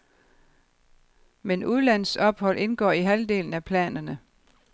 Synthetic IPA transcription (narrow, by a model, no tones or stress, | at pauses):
menuð̞ˠlæn̰sɒ̽b̥hɒ̽l̰ʔe̝nɡ̥ɒ̰ːiɦæld̥e̝̰ːln̩æpʰlɛ̰ːnɐnə